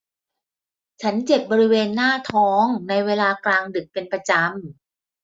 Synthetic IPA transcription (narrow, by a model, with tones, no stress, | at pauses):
t͡ɕʰa˦˥nt͡ɕe˨˩p̚bɔː˧ɾi˦˥weː˧nːaː˥˩t̪ʰɔː˦˥ŋna˧jweː˧laː˧klaː˧ŋdɯ˨˩k̚pe˧npɾa˧t͡ɕa˧m